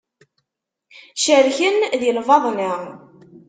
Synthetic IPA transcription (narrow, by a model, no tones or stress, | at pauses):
ʃəɾçənðjəlvɑðˤnəʁ